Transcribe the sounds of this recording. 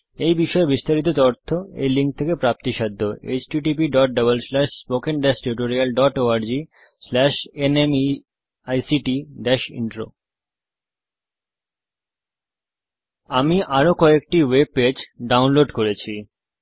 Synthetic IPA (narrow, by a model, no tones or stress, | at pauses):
ejbiʃɔebist̪aɾit̪̬ot̪ɔɾt̪ʰːoḛjliŋk̚t̪ʰekepɾap̚t̪iʃad̪ʱːoḛt͡ɕʈiʈipiɖɔʈ̚ɖʌβəlslɛʃspokenɖɛʃʈuʈoɾialɖɔʈoaɾd͡ʑi | slɛʃenemi | ajsiʈid̪ɛʃḭɳʈɾo̰ | amiʔaɾokɔek̚ʈiweb̚ped͡ʑɖawnloɖkoɾet͡ɕʰi